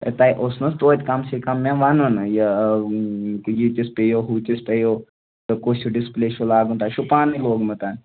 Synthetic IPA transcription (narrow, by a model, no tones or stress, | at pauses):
ə̰t̪ajʔosnɐst̪ot̪ʲkamsekamːʲãʋanonjə | kjit̪ispejoɦut̪ʲispejo | t̪əkosuɖispleʃolaːɡunt̪ajʃupaniloːɡmət̪an